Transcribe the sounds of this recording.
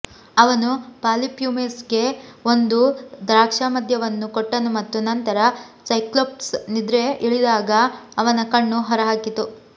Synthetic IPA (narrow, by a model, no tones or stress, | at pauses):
ɐʋɐnupaːlipjumesɡe̞ond̪ud̪ɾaːkʂaːmɐd̪ʱjɐʋɐnːukoʈːɐnumɐt̪ːunɐnt̪ɐɾɐsɐjklop̚ʈsnid̪ɾe̞ʔiɭid̪aːɡɐːʋɐnɐkɐɳːuɦɐɾɐɦaːkit̪ːu